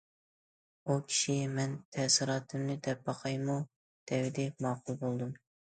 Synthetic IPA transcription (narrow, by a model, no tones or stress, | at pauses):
ukʲʰi̥ʃimɛnt̪ʰɛsɨɾɑːt̪ʰɨmnɪd̪ɛp̚bɑqʰɑjmu | d̪̥ɛwɪd̪ɪmɑːqulˠbolˠd̪um